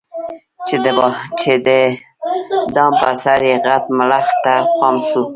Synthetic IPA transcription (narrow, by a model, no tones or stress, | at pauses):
t͡ʃed̪əbt͡ʃed̪ə | d̪ɑmpasaɾjeɣat̪mlaxt̪apɑmsu